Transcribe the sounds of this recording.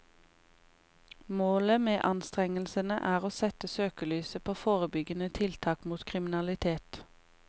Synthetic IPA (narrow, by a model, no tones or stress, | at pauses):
moːləmeːʔɑnst̪ʁɛŋəlsənəʔæːʁoːsɛt̪əsøːkəlyːsəpʰoːfoːʁəbʏɡənət̪ʰɪlt̪ʰɑːkmuːt̪kʰʁɪmɪnɑlɪt̪ʰeːt̪